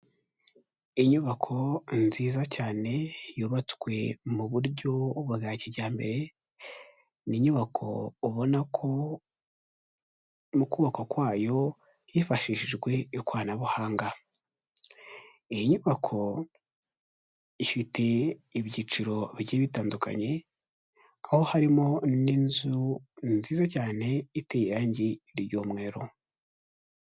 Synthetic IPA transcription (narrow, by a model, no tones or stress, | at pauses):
iɲuβakʰo̞nziːzacaːne̞juːβat͡skwe̞muβuɾɟo̞βuɡaːciɾɟaːmbe̞̰ɾe̞ | niɲuβakʰo̞̰ːβo̞nakʰo | mukuːβako̞kwaːjo̞ | jifaʃiʃiʒɡwe̞ikwaːnaβuhaːŋɡa | ijiɲuβakʰo̞ | ifitʰe̞iβɟiːt͡ʃiɾo̞βjeːβitaːnduka̰ɲe̞ | aho̞haɾimo̞ninzunnziːzacaːne̞itejiɾaːɲɟiɾjomŋe̞ːɾo̞